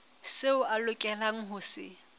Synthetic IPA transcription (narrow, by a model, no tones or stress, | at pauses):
seʊʔalʊkʼɛlaŋ̩ɦʊsɪ̰